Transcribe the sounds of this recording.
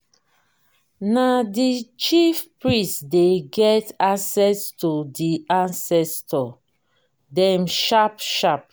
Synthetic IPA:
nadit͡ʃifpɹĩstdeɡɛtasɛstodiãnsɛstɔ | dɛ̃mʃapʃap

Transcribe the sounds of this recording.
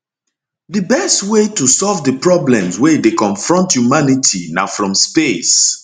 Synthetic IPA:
dəbɛstwetusɔlvdəpɹɔblɛ̃mswedekɔ̃nfɹɔ̃ntjumanitʰina̰fɹɔ̃mspes

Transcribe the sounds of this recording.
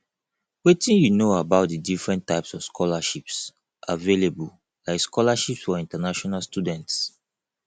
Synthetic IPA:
wetĩnjunoabaʊt̚dədifɹɛ̃ntaɪpsɔv̥skʰɔlaʃips | ʔavelebul | laɪkskʰɔlaʃipsfɔĩntanaʃɔnalstudɛ̃nts

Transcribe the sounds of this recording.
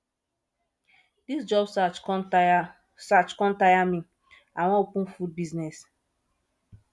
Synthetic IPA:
d̥isd͡ʒɔb | sat͡ʃkɔ̃ntajamĩ | awɔ̃opũnfud̚biznɛs

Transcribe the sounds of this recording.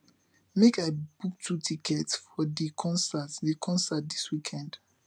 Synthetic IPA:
mekaɪb̥uk̚tʰutʰikʰɛtsfɔðikʰɔ̃nsatðikʰɔ̃nsat̚d̪iswikʰɛ̃nd̥

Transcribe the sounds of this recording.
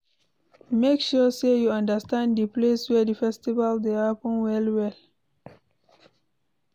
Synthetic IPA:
mekʃusejuãndəstãnddipleswɛdifɛstivaldeapə̃nwɛlwɛl

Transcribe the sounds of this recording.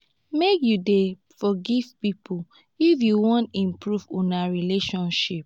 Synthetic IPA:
mekjude | fɔɡivpipʰu | ifjuwɔ̃ntĩmpɹuvũnaɹileʃɔ̃nʃip̚

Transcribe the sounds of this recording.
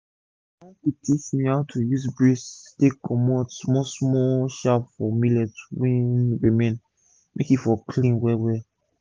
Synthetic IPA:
akitʰismĩhatʰujuzbɹistekʰɔmɔtsmɔsmɔʃapfɔmilɛtwĩnɹemɛ̃n | mʔḛkifɔkʰlĩnwɛwɛ

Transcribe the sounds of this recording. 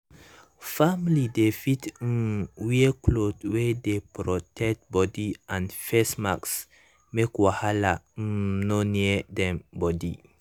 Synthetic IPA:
famlidefit̪̩ːwieklot̪wedepɾɔtʰɛt̪̚bɔdianfɛsmaks | mekwahalanɔnedɛmbɔdḭ

